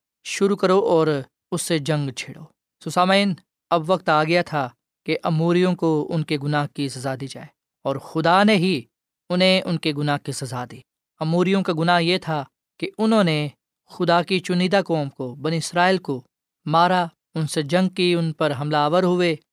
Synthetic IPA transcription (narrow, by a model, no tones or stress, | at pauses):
ʃʊɾukɐɾoʔɔːɾ | ʊsːed͡ʒɐ̃ŋɡt͡ʃʰeːɽoː | sosaːmiːn | ɐbʋɐk̚t̪aːɡɐjat̪ʰa | keʔɐmuːɾijõkoʊ̰nkeɡʊnaːɦkisɐzaːd̪iːd͡ʒa̰ːeː | ɔːɾxʊd̪aneɦi | ʊnɦẽʊnkeɡʊnaːɦkisɐzad̪iː | ɐmuːɾijõkaɡʊnaːɦjet̪ʰa | keʊnɦõne | xʊd̪akit͡ʃʊniːd̪akɔːmkobɐniɪsɾaːelko | maːɾa | ʊnsed͡ʒɐ̃ŋɡ̚kiʊnpɐɾɦɐmlaːʋəɾɦʊeː